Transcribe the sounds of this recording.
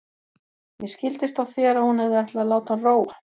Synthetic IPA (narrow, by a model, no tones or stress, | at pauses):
mjɛscɪlt̪ɪst̪awθɛːɾahunɛvðɪɛjht̪laðlaːwt̪anroːwa